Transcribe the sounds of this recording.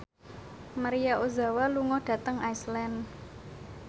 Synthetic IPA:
maɾijaʔoza̤waluŋɔɖ̥ä̤t̪əŋaislɛn

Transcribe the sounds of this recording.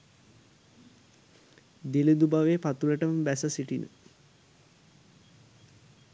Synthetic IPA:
d̪iled̪ubaʋeːpat̪uləʈəməbæsəsiʈinə̰

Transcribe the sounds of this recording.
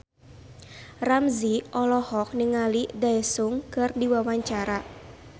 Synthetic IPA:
ramziɔlɔhɔk̚niŋalidaɛsʊŋkɨrdiwawaɲt͡ʃaɾa

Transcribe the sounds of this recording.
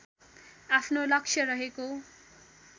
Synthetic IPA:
apʰnolʌksʰjʌɾʌɦeko

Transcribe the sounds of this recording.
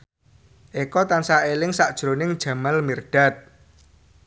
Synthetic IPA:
ʔekɔt̪ansaelɪŋsaʔd̥ʒ̥ɾonɪŋd̥ʒ̥a̤malmirɖ̥a̤t̪̚

